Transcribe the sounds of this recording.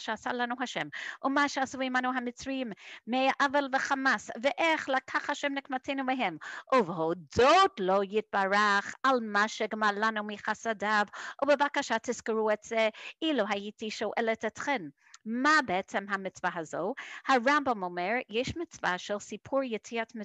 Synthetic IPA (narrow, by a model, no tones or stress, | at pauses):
ʃɛasalanuɦaʃɛmʔumaʃɛasuimanuɦamɪt͡sɹimːeaʔavelvəχamasvɛʔɛχlakʰaχhaʃɛmnɪkmatʰenumeɦɛmʔuvɦodotlojɪt̚baɹaχalmaʃɛɡmaɹlanumiχasadavʔubevakaʃatʰɪskɪɹuɛtz̥ɛiluɦajitiʃoʔɛlɛtɛtχɛn | mabeɛt͡sɛmɦamɪt͡svaɦazohaɹãmbamomɛɹjɛʃmɪt͡svaʃɛlsipʰuɹjetʰiatmɪ